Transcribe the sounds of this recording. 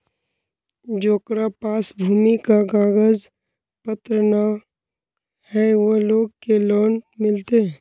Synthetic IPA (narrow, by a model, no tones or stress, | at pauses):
d͡ʒoːkɾapaːsbʱuːmikaɡaːɡəz | pət̪ɾəna | hɛʋoloːɡ̚keloːnmɪlt̪eɛ